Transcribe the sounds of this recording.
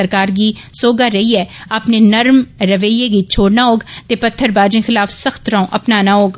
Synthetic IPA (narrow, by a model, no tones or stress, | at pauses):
əɾkaːɾɡisoːɡaɾɐɦiɛːapnenɐɾmɾɐʋəijeɡiːt͡ʃʰoːɽnaoːɡt̪epɐt̪ʰːəɾbaːd͡ʒẽxɪlaːfsɐxt̪ɾãːõʔɐpnaːnaoːɡ